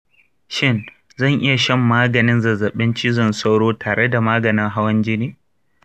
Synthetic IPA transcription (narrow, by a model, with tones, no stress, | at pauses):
ʃɪ˦n | zɐ˦˨ŋʔɪ˦ja˨ʃɛ˦mːaː˦ɡɐ˨nɪ˦nzɐ˨zɐ˨ɓɪ˦nt͡ʃɪ˦zɐ˨nsa˦wɽoː˦taː˨ɽe˦da˨maː˦ɡɐ˨nɪ˦ŋɦa˦wɐ˦nd͡ʒɪ˦niː˦